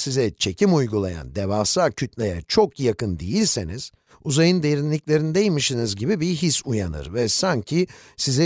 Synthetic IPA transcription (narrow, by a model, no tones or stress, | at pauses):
sizɛt͡ʃʰe̞cʰimujɡulˠaja̰nd̪evaːsaːcʰyt̪lʲejɛ̰t͡ʃʰo̞kjakɯnd̪ḛjilʲseniz̥ | uzajɯnd̪eɾinlʲiclʲe̞ɾinid̪ejmiʃinizɟibibiɦisujanɯ̰ɾvɛsaɲcʰisizɛ